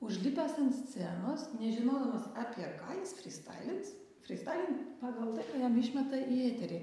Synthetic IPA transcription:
ʊʃʲlʲɪpʲæːsɐnt̪ʲsʲt̪sʲænoːsnʲɛʒʲɪnoːd̪ɐmɐsɑːpʲiɛkɑːjɪsfʲɾʲɪst̪ɑ̰ɪlʲɪns | fʲɾʲɪst̪ɑɪlʲɪnpɑːɡɐlˠt̪ɐɪkɑːjɛmɪʃʲmʲɛt̪ɐʔieːt̪ʲɛɾʲɪː

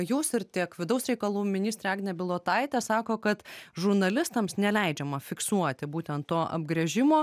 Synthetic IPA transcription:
juːsɪɾt̪ʲikʋʲɪd̪ɐʊsɾʲɛɪkɐlˠuːmʲɪnʲiːsʲt̪ɾʲeɑːɡʲnʲnʲɛbʲɪlˠoːt̪ɐɪt̪ʲɛsɑːkoːkɐt̪ʒʊɾnɐlʲɪst̪ɐmsnʲɛlʲɛɪd͡ʒʲɛmɐfʲɪksuɔt̪ʲɪbuːt̪ʲɛnt̪t̪ːoːʔɐ̰bɡɾʲɛʒʲɪmoː

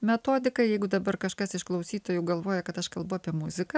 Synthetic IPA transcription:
mʲɛt̪oːd̪ʲɪkɐjɛɪɡʊd̪ɐbɐrkɐʃkɐsɪʃklˠɐʊsʲiːt̪oːjuːɡɐlˠʋoːjɛkɐt̪ɐʃkɐlˠbʊɐːpʲiɛmʊzʲɪkɐ

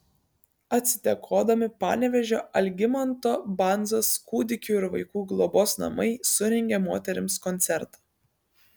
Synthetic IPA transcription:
ɐt̪ʲsʲɪ̥t̪ʲɛkʰoːd̪ɐmʲɪpɑ̰ːnʲɛʋʲɛʒʲoːɐlʲɡʲɪmɐnt̪oːbɑnzoːskuːd̪ʲɪkʲuɪɾʋɐɪkuːɡlˠɔboːsnɐ̰mɐɪsʊɾʲɛŋʲɡʲɛmoːt̪ʲɛɾʲɪmskɔnʲt̪sʲɛɾt̪ɐ̥

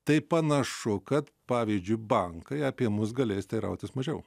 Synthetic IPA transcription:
t̪ɐɪpɐnɐʃʊkɐt̪pɑːʋʲiːzʲd͡ʒʲʊɪbɐŋkɐɪɐpʲiɛmʊs̬ɡɐlʲeːsʲt̪ʲɐɪɾɐ̰ʊt̪ʲɪsmɐʒʲɛʊ

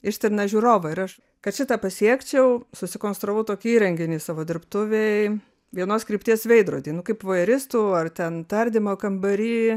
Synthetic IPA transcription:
ɪʃʲt̪ʲɪɾnɐʒʲuːɾoːʋɐɪɾɐʃ | kɐt̪ʃʲɪt̪ɑːpɐsʲiɛkt͡ʃʲɛʊsʊsʲɪkoːnst̪ɾoːʋɐʊt̪oːkʲiiːɾʲɛŋʲɡʲɪnʲiːsɑːʋoːd̪ʲɪɾpt̪ʊʋʲeɪ | ʋʲiɛnoːskɾʲiːpʲt̪ʲiɛsʋʲɛɪd̪ɾoːd̪ʲiːnʊkɐɪpʋoːjɛɾʲɪst̪uːɐrt̪ʲɛnt̪ɐɾʲd̪ʲɪmoːkɐmbɐɾʲiː

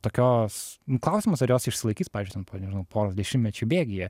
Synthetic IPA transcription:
t̪oːkʲoːsʊklˠɐʊsʲɪmoːsɐɾjoːsɪʃʲsʲɪlˠɐɪkʲiːspɑːʋʲɪzʲd͡ʒʲʊt̪ʲɛnpoːnʲɛʒʲɪnɐʊpʰoːɾoːsd̪ʲɛʃʲɪmʲnʲɛt͡ʃʲʊbʲeːɡʲɪjɛ

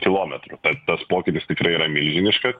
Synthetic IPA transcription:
kʲɪlˠoːmʲɛt̪ɾʊt̪ɐt̪ɐspoːkʲɪt̪ʲɪst̪ʲɪkɾɐɪiːɾɐmʲɪlʲʒʲɪnʲɪʃkɐ

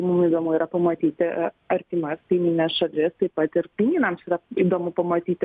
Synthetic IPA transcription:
mʊmiːd̪oːmʊiːɾɐpɐmɐt̪ʲiːt̪ʲɪ | ɐɾʲt̪ʲiːmɐskɐɪmʲinʲɛsʃɐlʲɪst̪ɐɪpɐt̪ɪɾkʲɪnʲiːnɐmsiːɾɐid̪oːmʊpɐmɐt̪ʲiːt̪ʲɪ

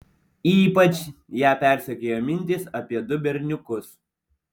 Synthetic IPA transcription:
iːpɐt͡ʃjæːpʲæˑɾʲsʲɛkʲeːjoːmʲɪnʲt̪ʲɪsɐpʲiɛd̪ʊbʲɛɾʲnʲʊkʊs

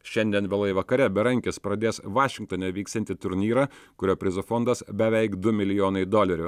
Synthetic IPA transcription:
ʃʲɛnʲd̪ʲiɛnʋʲɛlˠɐɪʋɐkɐɾʲɛbʲɛɾɐŋʲkʲɪspɾɐd̪ʲeːsʋɑːʃʲɪŋkt̪oːnʲɛːʋʲiːkst̪ʲɛnt̪ʲɪt̪ʊɾʲnʲiːɾɐkʊɾʲoːpʲɾʲɪzofɔnd̪ɐsbʲɛʋʲɛɪkd̪ʊmʲɪlʲɪjoːnɐɪd̪oːlʲɛɾʲʊ

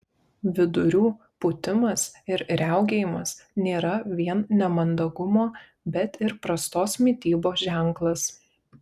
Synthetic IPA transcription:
ʋʲɪd̪ʊɾʲuː | pʊt̪ʲɪmɐsɪɾɾʲæˑʊɡʲeːjɪmɐsnʲeːɾɐʋʲiɛnnʲɛmɐnd̪ɐɡʊmoː | bʲɛt̪ɪɾpɾɐst̪oːsmʲɪt̪ʲiːboːʒʲæˑŋˑklˠɐs

